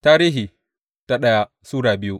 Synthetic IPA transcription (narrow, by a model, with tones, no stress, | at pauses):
taː˦ɾiː˦ɦiː˨ | ta˦ɗɐ˦ja˦ | suː˦ɽaː˨bɪ˦ju˦